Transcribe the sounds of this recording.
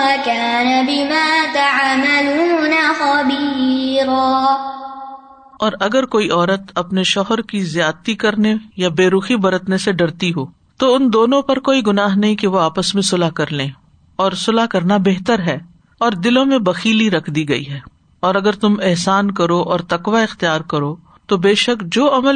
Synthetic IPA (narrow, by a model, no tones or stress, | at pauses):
akaːnabɪmaːt̪aʕaːmaluːnaxɐbiːɾaː | ɔːɾɐɡəɾkoːiʔɔːɾət̪ɐpneʃɔːɦəɾkizjaːd̪t̪ikɐɾnejabeːɾuːxibɐɾət̪neseɖɐɾt̪iɦoː | t̪oʊnd̪oːnõpɐɾkoːiɡʊnaːɦnɐɦĩkeʋoaːpəsmẽsʊlakɐɾlẽ | ɔːɾsʊlakɐɾnabeɦt̪əɾɦɛː | ɔːɾd̪ɪlõmẽbɐxiːliɾɐkʰd̪iɡɐḭɦɛː | ɔːɾɐɡəɾt̪ʊmɪɦsaːnkɐɾoʔɔːɾt̪ɐkʋaɪxt̪ijaːɾkɐɾoː | t̪obeːʃəkd͡ʒoːɐməl